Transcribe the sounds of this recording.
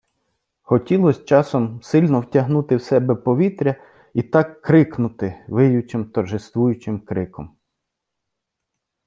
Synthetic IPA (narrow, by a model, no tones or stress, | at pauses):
xɔtʲilˠɔsʲt͡ʃɑsɔmsɪlʲnɔwtʲɐɦnut̪ɪwsɛbɛpɔʋʲit̪ɾʲɐ | it̪ɑkːɾɪknʊt̪ɪʋɪjʊt͡ʃɪmt̪ɐrʒɪst̪ʋujʊt͡ʃɪmkɾɪkɔm